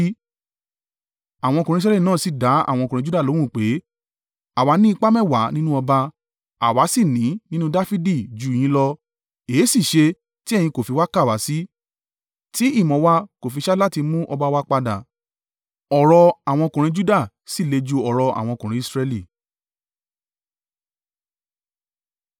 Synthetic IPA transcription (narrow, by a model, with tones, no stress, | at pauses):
a˨w̃ɔ̃˧kũ˨ɾĩ˧˦s̬ɾɛ˦li˦˨nãː˦˨si˦˨da˨˦a̰˦˨w̃ɔ̃˧kũ˨ɾĩ˧d͡ʒu˦da˦˨lõ˨˦ũ˦˨k͡pe˨˦ | a˨wa˨˧˦nĩ˦˧k͡pa˦mɛ̃˦˨wa˨˦nĩ˦nũ˦ɔ˧ba˧ | a̰˨wa˨˦si˦˨nĩ˨˦nĩ˦nũ˦da˦fi˦di˦˨d͡ʒu˨j̃ĩ˧˦lɔ˧ | eː˨˦si˦˨ʃe˧ | ti˦ɛ˦˨jĩ˧ko˨fi˧wa˦ka˦˨wa˨˦si˦ | ti˦i˦˨mɔ̃˨˦wa˧ko˨fi˧ʃa˦la˦ti˧mũ˦ʔɔ˧ba˧wa˧k͡pa˧da˨ | ɔ˨ɾɔ˧a˨w̃ɔ̃˧kũ˨ɾ̃ĩ˧d͡ʒu˦da˦˨ | si˦˨le˧d͡ʒu˧ɔ˨ɾɔ˧ʔa̰˨w̃ɔ̃˧kũ˨ɾ̃ĩ˦i˧sɾɛ˧li˦˨